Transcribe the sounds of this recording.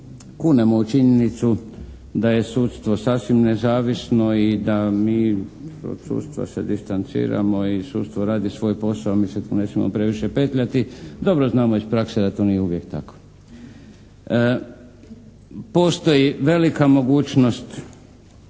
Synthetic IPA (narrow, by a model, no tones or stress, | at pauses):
kunemo̞ut͡ʃiɲe̞nit̪su | d̪aje̞suːt̪st̪ʋo̞saːsʋimne̞zaːʋisno̞id̪amiːo̰d̪sṵːt̪st̪ʋa̰sed̪ist̪ant̪sḭːɾa̰mo̞isuːt̪st̪ʋoɾaːd̪isʋo̞ːjpo̞saomiːset̪nesmimo̰pɾe̞ʋiʃe̞pe̞ːt̪ʎat̪id̪o̞bɾoznaːmoispɾaksed̪at̪o̞nijeuʋjek̚t̪ako̥ | po̞ːst̪o̞jiʋe̞likamo̞ɡuːt͡ʃno̞st̪